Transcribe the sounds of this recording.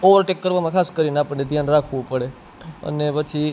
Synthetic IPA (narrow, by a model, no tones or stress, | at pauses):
oʋəɾʈekːəɾʋamãkʰaskəɾineapəɳned̪ʱjanɾakʰʋũpəɽe | ə̰nepət͡ʃʰi